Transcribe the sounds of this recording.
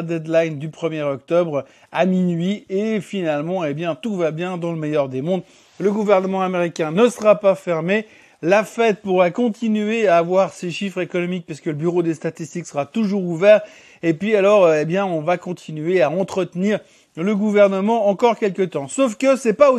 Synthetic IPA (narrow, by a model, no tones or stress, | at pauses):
d̪ɛd̪lajnd̪ypχəmjɛʁɔk̚t̪ɔbʁ | aminɥiefinalmɑ̃ebjɛ̃t̪uvabjɛ̃d̪ɑ̃ləmɛjœʁd̪emɔ̃d̪ | ləɡuvɛʁnəmɑ̃ameʁikʲɛ̃nəsəʁapafɛʁme | lafɛt̪̚puʁɛkɔ̃t̪ʰinɥeaːvwaʁseʃifχekɔnɔmik̚paʁskələbyʁod̪est̪at̪ist̪iksəʁat̪uʒuʁuvɛʁ | epɥialɔʁebjɛ̃ɔ̃vakɔ̃t̪ʰinɥeaɑ̃t̪χət̪niʁ | ləɡuvɛʁnəmɑ̃ɑ̃kɔʁkʲɛlkət̪ɑ̃sofkəsɛpao